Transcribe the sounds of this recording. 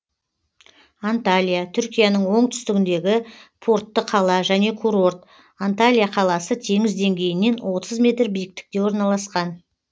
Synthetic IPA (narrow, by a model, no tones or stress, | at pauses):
ant̪alʲijat̪ʰʏɾkʲijanəɴwo̞ɴt̪ʰʏ̥st̪ɪɡʲɪnd̪e̞ɡʲɪpʰo̞rt̪ːəqʰɑlˠɑʒæne̞kʰuɾo̞rt̪ | ant̪alʲijaqʰɑlˠɑsət̪ʰe̞ŋɪzd̪e̞ŋɡʲe̞jɪne̞nwo̞t̪ʰəzmʲe̞t̪rbijɪk̚t̪ɪ̥k̚t̪e̞wo̞ɾnɑlˠɑsqɑn